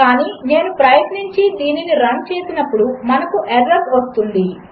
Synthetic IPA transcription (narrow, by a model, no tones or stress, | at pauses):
kaːniːne̞ːnupɾɐjɐt̪niɲt͡ʃid̪iːniniɾɐnt͡ʃeːsinɐpːuɽumɐnɐkuʔeɖɾɐsʋɐst̪und̪i